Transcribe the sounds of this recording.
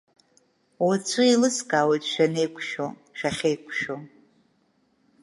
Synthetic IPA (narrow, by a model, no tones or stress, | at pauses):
wat͡ɕʷʰɨilɨskʼaːwejtʼʃᶣanejkʷʰʼʃo̰ | ʃᶣaχʲejkʷʰʼʃo